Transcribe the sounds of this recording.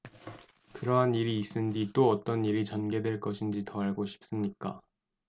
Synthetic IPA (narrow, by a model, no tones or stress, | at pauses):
kɯɾʌɦaniɾiːs͈ɯnd͡ʑit͈oʌt͈ʌniɾit͡ɕʌnɡe̞dwe̞ɭk͈ʌɕʰind͡ʑitʌaɭɡoɕʰi̥p̚s͈ɯmɲik͈a̰